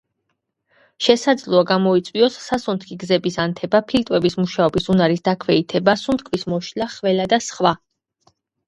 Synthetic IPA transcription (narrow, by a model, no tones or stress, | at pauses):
ʃɛsad̪zlˠɔaɡamɔit̪sʼwiɔsːasɔnt̪ʰkʰiɡzɛbisant̪ʰɛbapʰilt̪ʼwɛbismuʃaɔbisunaɾisd̪akʰvɛit̪ʰɛbasunt̪kʰvismɔʃlaχvɛlad̪asχwa